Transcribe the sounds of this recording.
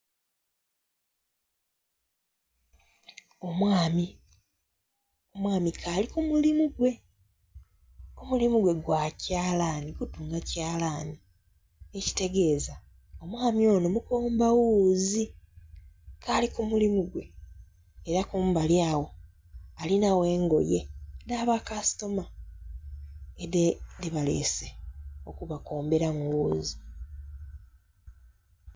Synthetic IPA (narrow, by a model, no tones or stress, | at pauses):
omwaːmi | omwaːmikʰalikumulimuɡwe̞ | omulimuɡwe̞ɡwacaːlaːniɡutuːŋɡacaːlaːni | eci̥te̞ɡe̞ːza | o̞mwaːmio̞ːno̞mukoːmbawuːzi | kʰaːlikumulimuɡwe̞ | eɾakuːmbaljaːwo̞ | alinawe̞ːŋɡo̞̰je̞naβakasi̥to̞ma | eedeβale̞̰seo̞kuβako̞ːmbe̞ɾamuwuːzi